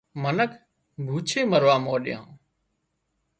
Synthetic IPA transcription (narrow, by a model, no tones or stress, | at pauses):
mənək | bʱuːt͡ʃʰeːməɾʋaːmoːɗɪjã̰ː